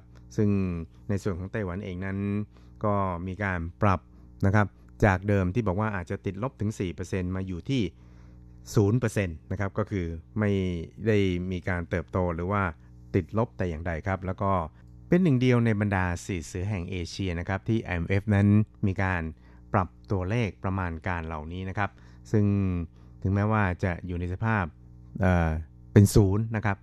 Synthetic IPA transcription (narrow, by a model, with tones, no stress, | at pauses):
sɯ˥˩ŋ | na˧jsu˨˩ənkɔː˩˦ŋt̪a˥˩jwa˨˩˦nʔeː˧ŋna˦˥n | kɔː˥˩miː˧kaː˧npɾa˨˩p̚ | na˦˥kʰa˦˥p̚ | t͡ɕaː˨˩k̚dɤː˧mt̪iː˥˩bɔː˨˩k̚waː˥˩ʔaː˨˩t̪̚t͡ɕa˨˩t̪i˨˩t̪̚lo˦˥p̚t̪ʰɯ˩˦ŋsiː˨˩pɤː˧se˧nmaː˧juː˨˩t̪ʰiː˥˩ | suː˩˦npɤː˧se˧nːa˦˥kʰa˦˥p̚kɔː˥˩kʰɯː˧ma˥˩jda˥˩jmiː˧kaː˧nt̪ɤː˨˩p̚t̪oː˧ɾɯː˩˦waː˥˩ | t̪i˨˩t̪̚lo˦˥p̚t̪ɛː˨˩jaː˨˩ŋda˧jkʰa˦˥p̚lɛː˦˥wkɔː˥˩ | pe˧nːɯ˨˩ŋdi˧əwna˧jba˧ndaː˧siː˨˩sɯː˩˦ɦɛ˨˩ŋʔeː˧t͡ɕʰi˧ɐna˦˥kʰa˦˥p̚t̪ʰiː˥˩ʔa̰˧ʔe˧mʔe˦˥fna˦˥nmiː˧kaː˧n | pɾa˨˩p̚t̪u˧ɐleː˥˩k̚pɾa˧maː˧nkaː˧nla˨˩wniː˦˥na˦˥kʰa˦˥p̚ | sɯ˥˩ŋ | t̪ʰɯ˩˦ŋmɛː˦˥waː˥˩t͡ɕa̰˨˩juː˨˩na˧jsa˧pʰaː˥˩p̚ | ʔəː˨˩ | pe˧nsuː˩˦nːa˦˥kʰa˦˥p̚